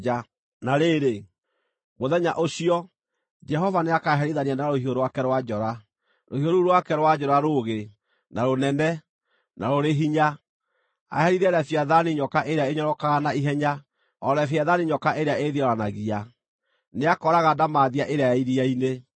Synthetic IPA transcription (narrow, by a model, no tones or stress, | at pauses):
a | naɾeɾe | ɣoðɛɲaʔoɕiɔ | d͡ʒɛɦɔvaneakaɦɛɾiðanianaɾohioɾowakɛɾwad͡ʒɔɾa | ɾohioɾuɾowakɛɾwad͡ʒɔɾaɾoɣe | naɾonɛnɛ | naɾoɾeɦiɲa | a̰hɛɾiðɛɾafjaðaniɲɔkaʔeɾeaeɲɔɾɔkaɣanaiɦɛɲa | ɔɾɛfjaðaniɲɔkaʔeɾeaeðiɔɾanaɣia | neakɔɾaɣadamaːðiaʔeɾeajaiɾiaine